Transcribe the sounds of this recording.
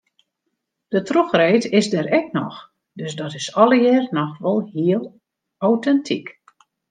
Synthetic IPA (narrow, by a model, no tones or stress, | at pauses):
d̥ətroxreːtɪzdəɾɛknɔ̰x | døsdɔtɪsɔlˠəjɪːrnɔxʋɔlˠhiəlˠ | awtɛntʰik